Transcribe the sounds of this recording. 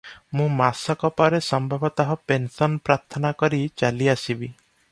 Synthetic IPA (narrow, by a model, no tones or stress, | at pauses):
mũmasɔkɔpɔɾesɔmbʱɔbɔt̪ɔɦɔpensɔnpɾaɾt̪ʰɔnakɔɾit͡ʃaliasibi